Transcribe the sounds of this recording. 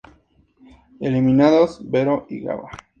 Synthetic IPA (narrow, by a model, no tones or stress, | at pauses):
eliminaðosbeɾoʔiɣa̰βa̰